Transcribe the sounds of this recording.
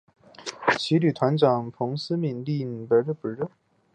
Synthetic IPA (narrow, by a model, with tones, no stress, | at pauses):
t͡ɕʰi˧˥ly˨˩t̪ʰwa˧˥nʈ͡ʂɑ˨˩ŋpʰʊ˧˥ŋs̩˥mi˨˩nli˥˩n̩˨˩pə˧˥ɻə˥˧pə˨˥ɻə˥˩